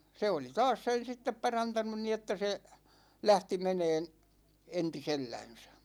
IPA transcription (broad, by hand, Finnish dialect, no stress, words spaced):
se oli tɑːs sen̞ sitːep pɑrɑntɑnun ni etːæ se læhti meneːn entiselːænsæ̥